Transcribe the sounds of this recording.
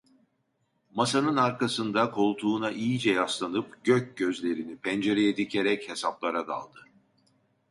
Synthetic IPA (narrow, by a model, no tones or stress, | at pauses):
masanɯnaɾkasɯnd̪akʰo̞lˠt̪ʰuːnaʔijid͡ʒɛjaslˠanɯp̚ɟ̥øc̚ɟøzlʲe̞ɾinipʰɛnd͡ʒe̞ɾejɛd̪icʰeɾɛche̞saplˠaɾad̪a̰lˠd̪ɯ